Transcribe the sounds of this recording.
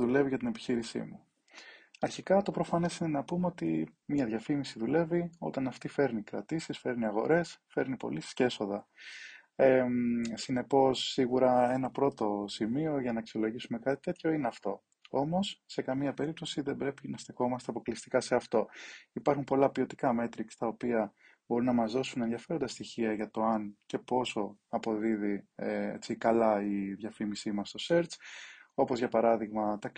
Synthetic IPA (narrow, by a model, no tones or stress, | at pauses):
ðule̞viʝɐt̪ine̞pi̥çiɾisḭmu | ɐɾçikɐt̪o̞pɾo̞fɐne̞sinenɐpumeo̞t̪imɲɐðʝɐfimisiðule̞vio̞̰t̪ɐnɐft̪ife̞ɾnikɾɐt̪isisfe̞ɾniɐɣo̞̰ɾe̞sfe̞ɾnipo̰lisi̥sceeso̞ðɐ | esine̞po̞sːiɣuɾɐe̞nɐpɾo̞t̪o̞simio̞ʝɐnɐeksio̞lo̞ʝisume̞kɐt̪i̥t̪e̞t̪ço̞ineɐft̪o̞̰ | o̞mo̞sːe̞kɐmiɐpe̞ɾip̚t̪o̞siðe̞mbɾe̞pinɐst̪ixo̞mɐst̪eɐpo̞klist̪i̥kɐse̞ɐft̪o̞ipɐɾxumpo̞lɐpio̞t̪i̥kɐme̞t̪ɾikst̪ɐopiɐ | bo̞ɾunɐmɐzðo̞sunenðiɐfe̞ɾo̞nd̪ɐst̪içiɐʝɐt̪o̞ɐnce̞po̞so̞ɐpo̞ðiðiḛt͡sikɐlɐiðʝɐfimisimɐst̪o̞se̞ɾt͡so̞po̞zʝɐpɐɾɐðiɣmɐt̪ɐ